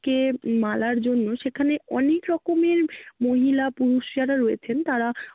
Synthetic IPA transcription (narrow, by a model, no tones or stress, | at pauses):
kemalaɾd͡ʑonːoʃekʰaneɔnekɾɔkomeɾmoɦilapuɾuʃijaɾaɾoet͡ɕʰent̪aɾa